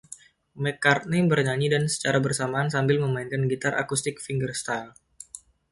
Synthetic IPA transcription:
mɛkar̚nibərɲaɲidansə̥t͡ʃaɾabərsamaːnsambɪlməmainkanɡit̪arʔa̰kust̪ɪk̚fiŋɡərst̪al

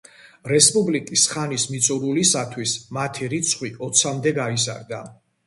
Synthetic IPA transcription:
ɾɛspʼublikʼisχanismit̪sʼuɾulisat̪ʰwismat̪ʰiɾit̪sʰχwiɔt̪sʰamd̪ɛɡaiza̰ɾd̪a

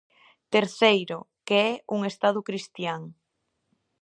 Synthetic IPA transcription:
t̪eɾθejɾʊ | keɛuŋest̪að̞ʊkɾist̪jaŋ

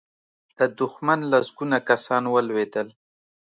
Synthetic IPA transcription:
d̪̥əd̪ʊxmanlazɡunakasɑnwəlwed̪əl

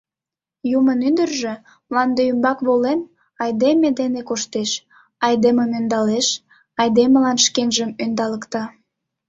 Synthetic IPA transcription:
jumənyd̪ərʒĕ | mlɑnd̪eymbɑkβolen | ɑjd̪emed̪enekoʃt̪eʃ | ɑjd̪eməmønd̪ɑleʃ | ɑjd̪eməlɑnʃkenʒəmønd̪ɑləkt̪ɑ

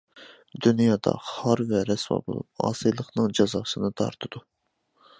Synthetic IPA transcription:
d̪ynjɑːd̪ɑ̰χɑɾvɛɾɛswɑ̰bo̰lˠṵp̚ɑ̰ːsɨjlˠəχnɨŋd͡ʒɑzɑːsɨnɨt̪ʰɑ̰ɾt̪ʰɨd̪u

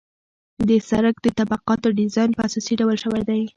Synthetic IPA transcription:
d̪əsaɾakd̪ət̪abaqɑt̪oɖɪzɑjnpəasɑsiɖawalʃəwajd̪aj

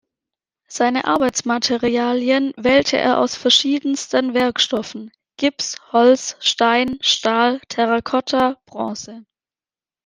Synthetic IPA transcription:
z̥aɪnəʔa̰ɐbaɪt͡smatʰɛʁiaːljənvɛːltʰə̰ʔḛːɐʔa̰ʊsfɛɐʃiːdən̩stənvɪɐkʃtɔfn̩ | ɡ̥ɪpshɔlsʃtaɪnʃtaːltʰɛʁakʰɔtʰab̥ʁɔ̃ːsə

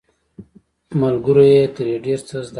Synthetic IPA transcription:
malɡuɾojet̪əɾjeɖeɾt͡səzd̪

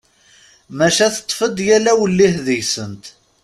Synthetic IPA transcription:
mæʃæθə̥t̪ˤːfəd̪jælæwəlːihðəjsənt̪

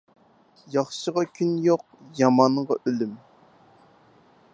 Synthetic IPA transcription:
jɑχʃəʁɑkʲʰynjoq̚ | jɑmɑɴʁɑʔølym

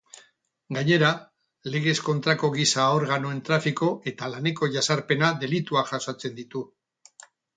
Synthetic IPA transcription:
ɡaɲe̞ɾa | le̞ɣ̞e̞sko̞nt̪ɾako̞ɣisao̞ɾɣ̞anoe̞nt̪ɾafiko̞ʔe̞t̪alane̞ko̞ʝasaɾpe̞naðe̞lit̪uaʝasat͡se̞nd̪it̪u

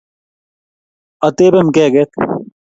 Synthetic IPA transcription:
ɐt̪eːbemkeːɡet̪

